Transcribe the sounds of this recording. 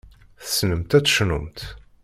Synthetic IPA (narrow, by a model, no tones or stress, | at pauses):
θəsnəmt̪æt͡sːʃnʊmt̪